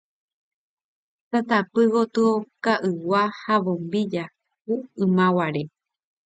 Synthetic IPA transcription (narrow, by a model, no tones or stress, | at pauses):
sat̪apɨɣot̪ɨokaʔɨwahaʋõmbid͡ʒa | kuɨ̃mãwaɾe